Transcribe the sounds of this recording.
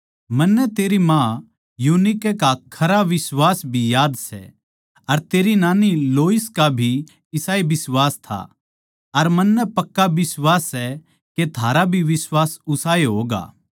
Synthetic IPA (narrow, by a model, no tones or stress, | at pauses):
mɐnːɛt̪eːɾimã | junikɛkakʰɐɾaʋɪswaːsbʱijaːd̪sɛ̰ | ɐɾt̪eːɾinaːniloːiskabʱi | ɪsaːebɪsʋaːst̪ʰa̰ | ɐɾmɐnːɛpɐkːabɪswaːsːɛ | ket̪ʰaːɾabʱiʋɪswaːsʊsaːeɦoːɡa̰ː